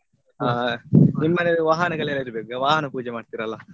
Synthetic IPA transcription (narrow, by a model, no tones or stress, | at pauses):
aːnimːɐned̪uʋaːɦɐnɐɡɐɭelːɐiɾubeːkuɡaʋaːɦɐnɐpuːd͡ʒɛmaːɖt̪iːɾɐlːɐ